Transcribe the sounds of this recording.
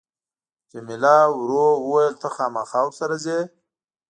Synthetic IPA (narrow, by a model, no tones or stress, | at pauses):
t͡ʃemɪlɑwɾowəwajəlt̪əxɑːmaxɑːwsaɾaze